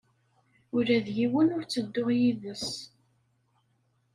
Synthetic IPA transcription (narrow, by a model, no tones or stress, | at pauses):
ʊɾæðjiwənʊɾt͡sːəd̪ːʊʁjiðəs